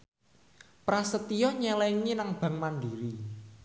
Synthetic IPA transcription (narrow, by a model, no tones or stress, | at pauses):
pɾasət̪ijɔɲɛlɛŋinaŋb̥ä̤ŋmandiɾi